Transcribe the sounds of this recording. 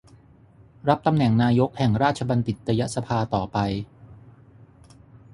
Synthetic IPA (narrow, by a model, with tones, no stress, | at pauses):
ɾa˦˥p̚t̪a˧mnɛ˨˩˦ŋnaː˧jo˦˥k̚hɛ˨˩ŋɾaː˥˩t̪̚t͡ɕʰa˧ba˧nt̪i˨˩t̪̚ɾa˧ja˦˥ʔsa˧pʰaː˧t̪ɔː˨˩pa˧j